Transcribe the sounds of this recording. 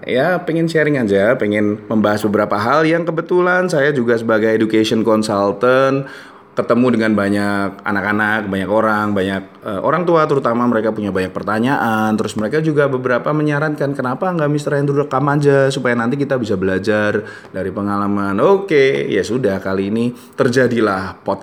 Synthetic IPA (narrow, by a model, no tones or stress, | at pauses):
japeŋɪnʃɛɾɪŋand͡ʒapeŋɪnməmbaɦasbəbəɾapaɦaljaŋkəbət̪ulansajad͡ʒuɡas̬əbaɡajedukasiɔnkɔnsalt̪ən | kət̪əmudəŋanbaɲak̚a̰nakanak̚baɲakoɾaŋbaɲak̚əʔo̰ɾaŋt̪uat̪əɾut̪amaməɾekapuɲabaɲak̚pərt̪aɲaʔant̪əɾʊsməɾekad͡ʒuɡabəbəɾapaməɲaɾankankənapaəŋɡaʔmist̪ɾajand̪əɾudakːamad͡ʒasupajanant̪ik̬it̪abisabəlad͡ʒar | daɾipəŋalamanokeja̰sudahkaliːni | t̪ərd͡ʒadilahpɔt̪̚